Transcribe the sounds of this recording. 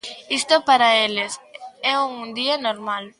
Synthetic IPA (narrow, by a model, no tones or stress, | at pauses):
ist̪opaɾaelɪsɛuŋund̪iɐnoɾmal